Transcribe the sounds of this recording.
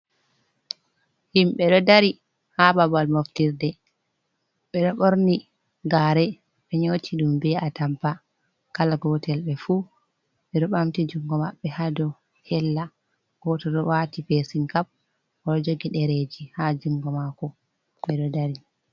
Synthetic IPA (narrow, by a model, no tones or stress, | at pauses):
himɓɛɗɔdaɾi | hababalmoftiɾdɛ | ɓɛɗɔɓoɾni | ɡaɾɛ | ɓɛɲoːtʰiɗumbɛatampa | kalaɡɔtʰɛlɓɛfu | ɓɛɗɔɓamtid͡ʒuŋɡɔmaɓːɛhadɔ | hɛlːa | ɡ̥ɔtɔɗɔwatipesiŋkap̚ | ɔɗɔd͡ʒoɡiɗɛɾed͡ʒihad͡ʒuŋɡɔmakɔ | ɓɛɗɔdaɾi